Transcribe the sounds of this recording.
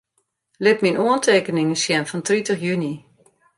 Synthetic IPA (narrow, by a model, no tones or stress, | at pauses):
lɪt̚minʔuəntʰeːkənɪŋəsjɛnfɔntritəχjyni